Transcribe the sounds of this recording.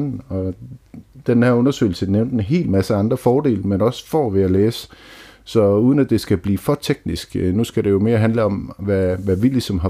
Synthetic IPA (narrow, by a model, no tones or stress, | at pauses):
ɒ̽ | d̥enhæɐɔ̽nɐsø̰ːɪl̩səneʊnd̥enɦe̝̰ːlmæsəɑ̈nd̥ʁɐfɒːdɾe̝̰ːlmenɒ̽sfɒʋe̝æleːsə̥sɒ̽uːð̞ˠən̩æd̥e̝sɡ̥æb̥liːfɒ̽t͡sʰeɡ̥nisɡ̥nusɡ̥æɾe̝jo̝me̝ːɐɦænləɒ̽mʋæʋæʋili̥sɒ̽mɦɑ̈